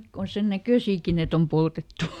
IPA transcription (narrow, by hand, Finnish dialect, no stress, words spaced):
ko on̞ sen nækøˑsiːki et om poltetːu